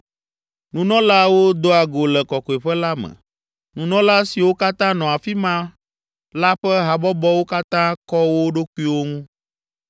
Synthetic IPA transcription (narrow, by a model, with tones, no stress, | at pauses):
nũ˨nɔ̃˦la˦wo˦d̪o˦a˨ɡo˨lɛ˨kɔ˨kɔ˨e˨ɸɛ˦la˦mɛ̰̃˨ | nũ˨nɔ̃˦la˦si˨wo˦ka˦t̪ã˦nɔ̃˨a˨fi˦mã˦ | la˦ɸɛ˦ɦa˨bɔ˦bɔ˦wo˦ka˦t̪ã˦kɔ˦wo˦ɖo˦kʷu˦i˦wo˦ŋũ˦